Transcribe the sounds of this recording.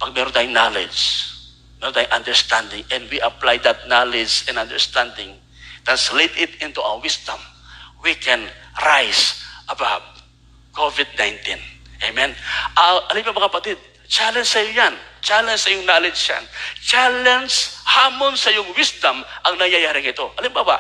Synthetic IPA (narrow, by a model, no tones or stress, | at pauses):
pɐɡ̚mɛɾond̪ajʊŋnalɛ̰d͡ʒ | mɛɾõnd̪ajʊŋʔɐ̃nd̪ɛɹst̪ãnd̪ɪŋʔɛnwiʔɐplajd̪ɐt̪̚nalɛd͡ʒɛ̃nɐnd̪ɛ̰ɹst̪ãnd̪ɪŋ | t̪anslit̪ɪt̪ɪ̃nt̪uʔa̰wəwɪsd̪ɐ̃m | wikɛ̃nɹajsʔɐbawt̪̚ | kovɪd̪̚najnt̪ĩnʔejmɛ̃nʔɐʔɐlɪmbabɐŋkɐpɐt̪ɪd̪̚ | t͡ʃalɛnsɐjojant͡ʃalɛnsɐjʊŋnalɛd͡ʒja̰nt͡ʃalɛnshaːmonsɐjʊŋwisd̪ɐmʔɐŋnɐjɐjaɾɪŋɪt̪o̞ʔɐlɪmbaba̰